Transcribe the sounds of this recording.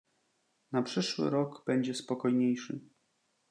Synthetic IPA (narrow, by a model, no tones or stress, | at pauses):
napʂɘʂwɘ̰ɾɔɡb̥ɛɲd͡ʑɛspɔkɔjɲejʂɘ̰